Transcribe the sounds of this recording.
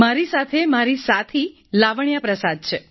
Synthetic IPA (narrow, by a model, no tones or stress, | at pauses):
maɾisat̪ʰemaɾisat̪ʰi | laʋɳjapɾəsad̪̚t͡ʃʰe